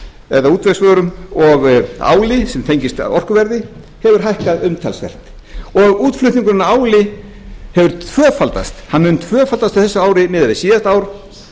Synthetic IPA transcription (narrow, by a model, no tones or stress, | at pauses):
ɛðauːt̪vɛsvœːɾʏmɔɣa̰ːwlɪsɛmθʰejɲcɪst̪ɔr̥kʏvɛɾðɪ | hɛvʏɾ̥ɦajhkaðʏmt̪ʰɛlsvɛ̰r̥t̪ | ɔɣuːt̪flʏht̪iŋkʏɾnːaaːwlɪ | hɛvʏɾ̥t̪ʰvœːfalt̪a̰st̪hanːmʏnt̪ʰvœːfalt̪ast̪ḁθɛsːʏaːwɾɪmɪːðavɪsiːðast̪aːwɾ̥